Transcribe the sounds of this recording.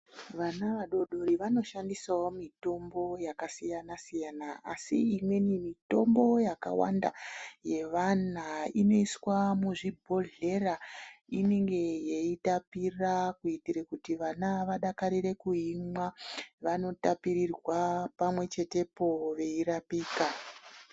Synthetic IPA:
ʋanaʋaɗo̞ɗo̞ɾiʋano̞ʃandisaomito̞mbo̞jakasijanasijanaasiːmwenimito̞mbo̞jaka̰wa̰nda̰je̞ʋanaino̞iswamuʐibʱo̞ɮe̞raine̞ŋɡe̞jeitapirakuitiɾekutiʋanaʋaɗakaɾiɾe̞kuɦimwaʋano̞tapiɾirwapamwe̞t͡ʃe̞te̞po̞ʋe̞iɾapiːka

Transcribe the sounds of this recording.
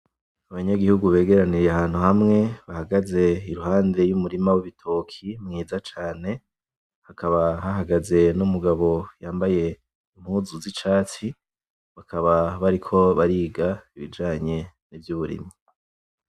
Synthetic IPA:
aβaɲaɡihuɡuβe̞ːɡe̞ɾaniɾjeahaːn̥huhamŋe̞βahaɡaze̞iɾuhaːnde̞jumuɾimawiβitʰo̞kʰimŋiːzat͡ʃaːne̞ | hakʰaβaɦaɦaɡaze̞numuɡaβo̞jaːmbaje̞ | im̥huzuzit͡ʃaːt͡si | βakʰaβaβaɾikʰo̞βaɾiːɡaiβid͡ʒaːɲe̞ | nivjuβuɾḭma

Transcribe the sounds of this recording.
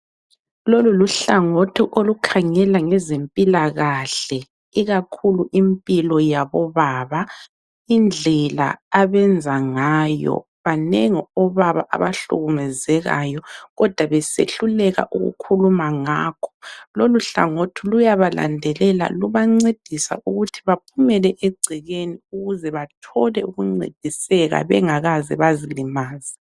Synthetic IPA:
loluluɬaŋotʰiʔolukʰaŋɛlaŋɛzempʼilaɣaɬɛ | iɣakʰuluʔimpʼilɔjaβɔβaːβa | ind͡ɮʱɛla̰aβɛnd͡zʱaŋajɔ̰ | βaneŋiɔβaβa̰ʔa̰βaɬṵɣumɛzɛɣa̰jɔɣɔd̥ʱwaβɛsḛɬulɛɣa̰ʔuɣṵkʰulumaŋaːkʰɔ̥loluɬa̰ŋotʰulujaβala̰ndʱɛlɛla̰luβaŋ͡ǀed̥ʱisa̰ʔuɣutʰiβapʰumɛlɛʔeɡ͡ǀʱiɣeniuɣuzɛβatʰɔlɛuɣuŋ͡ǀḛd̥ʱisɛɣa̰βɛ̰ŋaɣazɛ̰βazilimaːzi

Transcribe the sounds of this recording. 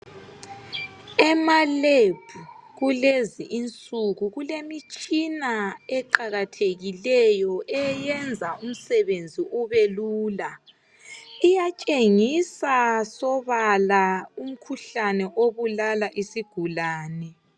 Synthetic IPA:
ɛmaleb̥ʱuɣuleziʔint͡sʼuɣuɣulemit͡ʃʼinaɛǃaɣatʰeɣilɛjɔʔɛjɛnd͡zʱaum̩sɛβend͡zʱiʔuβeluːla | ijat͡ʃʼeŋisasɔβalaum̩kʰuɬanɛʔoβulalaʔisiɡ̥ʱulaːnɛ

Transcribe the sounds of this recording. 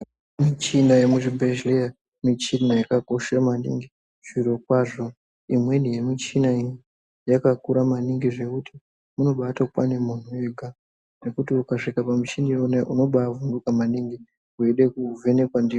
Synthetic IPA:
mit͡ʃinaje̞muʐibʱeʒlea | mit͡ʃinajakako̞ʃamanḭŋɡi | t͡ʃiɾo̞kwaʐo̞ | imwe̞nijemit͡ʃinai | jakakuɾamaniŋɡiʐe̞kutʰi̥ | muno̞ɓaːtakwanemunueɡʱa | ne̞kutiukaʂikapamut͡ʃinironeʔuno̞ɓaːvundukamaniŋɡi | ueɗe̞kuve̞ne̞kwandi

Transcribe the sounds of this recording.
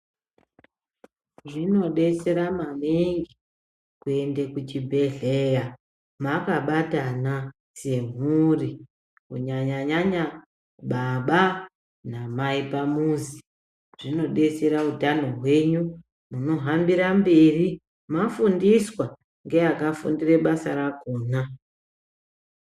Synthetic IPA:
ʐino̞ɗe̞se̞ɾamamiŋɡi | kue̞ndekut͡ʃibʱe̞ɮeja | makaɓatana | se̞m̤uri | kuɲaɲaɲaɲa | ɓaɓa | namaipamuzi | ʐ̥ino̞ɗe̞seɾaudʱano̞ɦwe̞ɲu | muno̞ɦambiɾamberi | mafundiswa | ŋɡe̞akafṵndire̞ɓasaɾakoːna

